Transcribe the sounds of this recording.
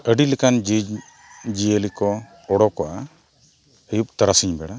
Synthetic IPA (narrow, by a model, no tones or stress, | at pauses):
əɖilikand͡ʒi | d͡ʒiəlikɔ | ɔɽɔkɔʔa | əjup̚t̪aɾasiɲbɛɽa